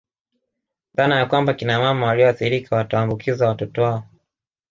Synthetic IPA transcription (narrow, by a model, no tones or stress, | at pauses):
ðaːnajakwambakinamamawaliɔaθiɾikʰawatawambukʰizawatɔtɔwaɔ